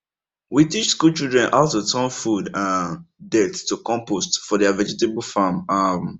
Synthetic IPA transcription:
witit͡ʃskult͡ʃildɹɛ̃nʔaʊtutʰɔ̃nfudãndɛttːukɔ̃mpostfɔdɛavɛd͡ʒɪtebl̩famam

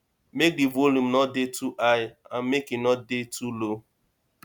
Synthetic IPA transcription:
mek̚divolum̩nɔt̚detuʔajamekinɔt̚detʰulo

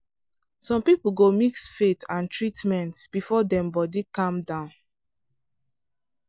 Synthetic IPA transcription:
sɔ̃mpipl̩ɡomiksfetãntɹitmɛ̃ntb̥ifɔdɛ̃mbɔdikãmdãʊ̃n

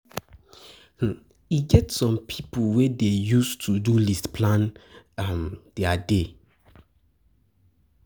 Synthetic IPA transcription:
h̩ | iɡɛtsɔ̃mpʰipʰowedejustʰudulistpʰlãnamd̥ɛade

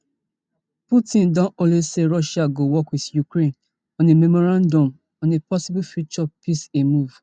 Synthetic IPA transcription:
putĩndɔ̃nõleseɹɔʃaɡowɔkwiθjukɹẽn | ɔ̃nememɔɹãndɔ̃m | ɔ̃nepɔsibufut͡ʃɔpisemuv̥

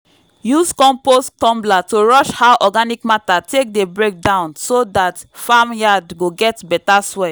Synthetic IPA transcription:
juskɔ̃mposttɔ̃mblatoɹɔʃhaʊʔɔɡanikmatatʰek̚debɹek̚dãʊ̃nsodatfamjadɡoɡɛtbɛtaswɛ

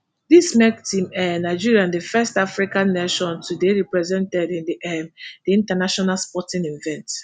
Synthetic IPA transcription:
dismɛk̚tĩmɛnaɪd͡ʒiɹiãndəfɛstafɹikãnːeʃɔ̃ntʰudeɹipɹɛzɛ̃ntɛdĩndʔɛmdiĩntanaʃɔnalspɔtĩnĩnvɛ̃nt

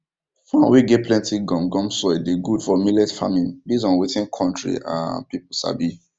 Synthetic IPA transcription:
fãnwiɡepʰlɛ̃ntiɡɔ̃mɡɔ̃msɔɛdeɡud̥fɔmilɛsfa̰mĩnbizɔ̃nwitĩnkʰɔ̃ntɹḭã̰pipl̩sa̰bi

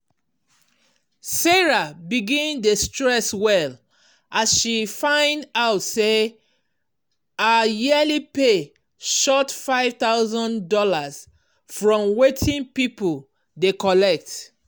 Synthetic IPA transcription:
sɛɹabiɡĩndestɹɛswɛl | asʃifãɪ̃ndaʊtse | ajɛlipe | ʃɔtfaɪv̥t̪aʊzɔ̃ndɔlas | fɹɔ̃mwetʰĩnpipul | dekɔlɛk̚t

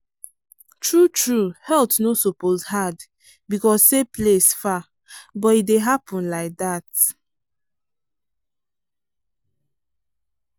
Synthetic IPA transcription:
tɹutɹuhɛltnosopozhad | bikɔsseplesfa | bɔtit̚deɦapɔ̃nlaɪk̚dat

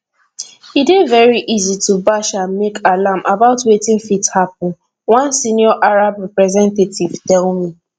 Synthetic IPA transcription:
idevɛɹiʔizitubaʃãnmekalamʔabaʊtwetĩnfithap̚ʊn̩ | wãnsinjɔʔaɹabɹɛpɹɛzɛ̃ntetivtɛlmi

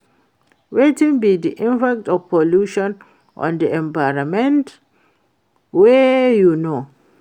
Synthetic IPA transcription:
wetĩŋbidiʔĩmpak̚tɔvpʰoluʃɔ̃n | ʔɔ̰̃ndiɛ̃mbajɾamɛ̃nt | wɛjuno

